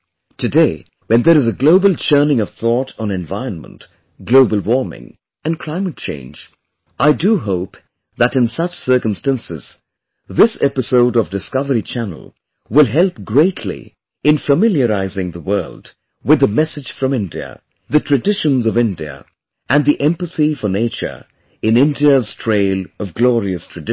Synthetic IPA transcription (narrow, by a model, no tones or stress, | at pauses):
tʰɨdeɪ | wɨ̃nðəɾɨzəɡloʊbəl̩ˠt͡ʃʰɜ˞nɪ̃ŋʌv̥θɔɾn̩ɨ̃ɱva̰ɪɹə̃nmə̰̃nt | ɡ̥loʊbəl̩ˠwɔɹmɪ̰̃ŋ | ɨ̃nkʰl̥ãɪ̃mɨt̚t͡ʃʰḛ̃ɪ̃nd͡ʒ | ʔaɪdɨɦoʊp | ðɨɾɨ̃nsʌt͡ʃsɜ˞kə̃mstæ̃nsɪ̰z̥ | ðɪsɛpɨsoʊɾʌvdɨskʌvəɹit͡ʃʰæn̰l̩ˠ | wɪlˠɦɛlˠpɡɹeɪtʰlḭ | ɨ̃nfəmɪlˠjəɹaɪzɪ̃ŋðəwɜ˞lˠd | wɨðɨmɛsɨ̥d͡ʒ̥fɹʌ̃mɪ̃ndiɨ̰ | ðɨtʰɹ̥ɨdɪʃɨ̃nzʌvɪ̃ndiɨ̰ | ʔɨ̃nðiʔɛ̃mpɨθifəneɪt͡ʃə̰˞ | ɨ̃nɪ̃ndiɨz̥tʰɹ̥eɪlˠʌvɡlɔɹiɨstʰɹ̥ɨdɪ